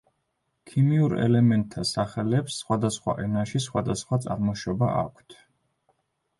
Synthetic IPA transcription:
kʰimiuɾɛ̰lɛmɛnt̪ʰːasaχɛlɛpsːχwad̪asχwa̰ʔɛnaʃisχwad̪asχwat̪sʼaɾmɔʃɔba̰ʔa̰kʷʰt̪ʰ

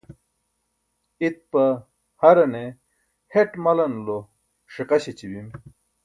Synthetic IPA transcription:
it̪̚pɐ | hɐɾɐne | heʈmɐlɐnlo | ʂiqɐɕit͡ɕibim

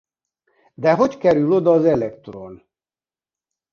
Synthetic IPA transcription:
d̪ɛɦo̞ckɛɾylo̞d̪ɒːzɛlɛkt̪ron

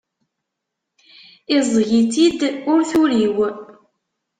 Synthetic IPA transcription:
izˤʝit̪id̪ʊɾθuliw

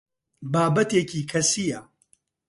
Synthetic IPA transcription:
baːbɐt̪eːcʰiːkʰɐsijɐ

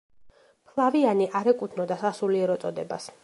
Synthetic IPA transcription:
pʰlˠavianiʔaɾɛkʼut̪ʰnɔd̪asasuliɛɾɔt̪sʼɔd̪ɛba̰s

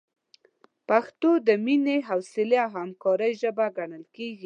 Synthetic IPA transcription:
paxt̪od̪əmineɦawsɪleawhamkɑɾəjʒəbaɡaɳəlkeɡi

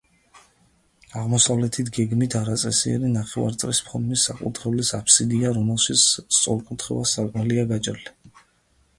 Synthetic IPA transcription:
aʁmɔsavlɛt̪ʰit̪ʰɡɛɡmit̪ʰaɾat̪sʼɛsiɛ̰ɾinaχɛva̰ɾt̪sʼlispʰɔɾmisːakʼṵt̪ʰɾɛlisapʰsid̪iaɾɔmɛlˠʃit̪sʰst̪sʼɔ̰ɾkʼut̪ʰχɛ̰asakʼmɛliaɡat͡ʃʼɾli

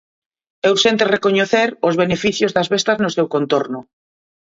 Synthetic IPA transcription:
ewsent̪erekoɲoθeɾozβ̞enefiθjozðazβest̪aznosewkõnt̪oɾnʊ

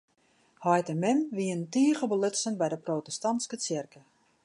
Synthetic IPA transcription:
hɔjtəmɪmʋiəntiəχəbəlɪtsənbɛjdəprotɛstɑnskət͡sɪrkə

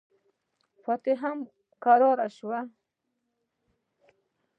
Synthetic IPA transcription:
pat̪eɦam | kaɾɑɾaʃwa

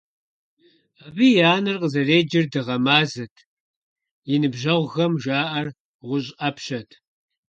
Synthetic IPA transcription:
abijaːnɐrqəzɐreːd͡ʒɪrdɨʁɐmaːzɨtʰ | jɪnɨbʒɐʁʷɣɐmʒaːʔɐr | ʁʷʊɕ̬ʼɐpʰɕɐtʰ

